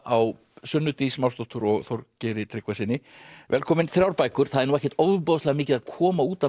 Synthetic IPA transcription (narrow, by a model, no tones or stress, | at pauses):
aw | sʏnːʏt̪ismawst̪ɔht̪ʰʏɾɔɣθoɾcɛːɾɪt̪ʰɾɪkvasɪnːɪvɛlkʰɔːmɪnθɾjawɾpaːjkʏɾ̥θaðɛɾnuwɛhcɛ̥ɾt̪owðʏpoðslɛɣamɪːcɪðaðkʰɔːmauːt̪a